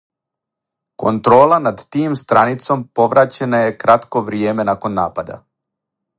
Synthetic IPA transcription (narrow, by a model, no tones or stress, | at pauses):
ko̞nt̪ɾo̞ːlˠanad̪t̪iːmst̪ɾanit̪so̞mpo̞ʋɾat͡ɕenaje̞kɾat̪ko̞ʋɾijeːme̞nako̞nːaːpad̪a̰